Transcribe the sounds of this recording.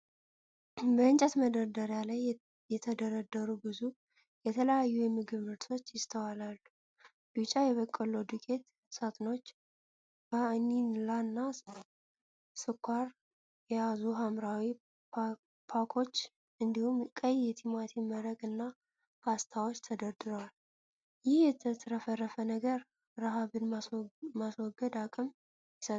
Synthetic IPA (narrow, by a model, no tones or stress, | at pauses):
bəɨnt͡ʃʼɛt̪məd̪əɾd̪əɾjalaj | jɛt̪ʰəd̪əɾəd̪əɾubɨzu | jɛt̪ʰələjajːujɛmɨɡɨβmɨɾt̪ʰo̞t͡ʃːjɪst̪ʰəwalalːu | d̥ut͡ʃʼajɛβəkʼːəlud̪ɨkʼet̪ | sat̪ʼno̞t͡ʃː | baninlanːa | sɨkʰʷːaɾ | jɛjazuɦamɾawi | pʰakʰo̞t͡ʃː | ɨnd̪ihumkʼəjːɛt̪ʰimat̪ʰiməɾəɡɨnːa | ast̪ʰawot͡ʃːt̪ʰəd̪əɾd̪ɨɾwal | jɪhjɛt̪ʰət̪ɾəfərːəfənəɡəɾ | ɾaɦaβɨnmaswɔɡːəd̪akʼɨm | jɪsə